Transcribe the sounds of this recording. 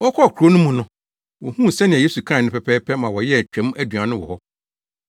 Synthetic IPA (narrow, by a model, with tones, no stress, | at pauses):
wɔ˦kʰɔ˦˨kʰu˨ɾo˦nʊ̃˦mũ˨nʊ̃˦ | wɔ˨hũ˦˨sɛ˦nɪ̃˨ɛ˨je˦su˨kʰɾa˦˨nɪ̃˦pʰɛ˦pʰɛː˦pʰɛ˦mã˨wɔ˨jɛ˦˨t͡ɕᶣɛ̃˨˦m˦æ˦dɥã˨nʊ̃˦wɔ̰˨hɔ˦